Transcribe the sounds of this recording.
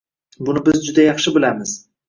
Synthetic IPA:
bʊnɪbɪzd͡ʒʊd̪ajɑχʃɪbɪlamɪz̥

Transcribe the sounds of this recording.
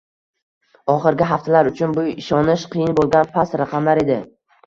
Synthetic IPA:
ɒχɨɾɡʲɪɦaft̪ʰalaɾʊt͡ʃʰʊnbʊɪʃɒnɪʃqʰɨjɪnbolˠɡʲanpʰast̪ɾaqʰɑmlaɾe̞d̪ɪ

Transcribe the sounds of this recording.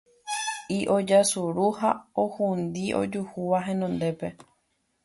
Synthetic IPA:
iʔod͡ʒasuɾuhaohund̪iʔo̞̰d͡ʒuhuʋaɦẽ̞nõnd̪e̞pe̞

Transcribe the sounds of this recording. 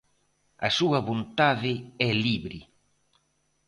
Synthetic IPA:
ɐsuɐβont̪aðɪɛliβɾɪ̰

